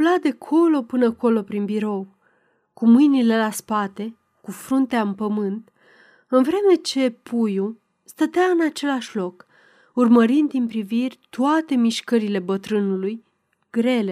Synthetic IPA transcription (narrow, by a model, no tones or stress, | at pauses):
ulad̪e̞kʰo̞lo̞pɨnəko̞lo̞pɾinbiɾo̞w | kumɨjnile̞laspat̪e̞ | kufɾunt̪eaɨmpəmɨnt̪ | ɨnvɾe̞me̞t͡ʃe̞pʰuju | st̪ət̪eaɨnat͡ʃe̞laʃʲlo̞k | urməɾind̪inpɾivirʲt̪oat̪e̞miʃkəɾile̞bət̪ɾɨnuluj | ɡɾe̞le̞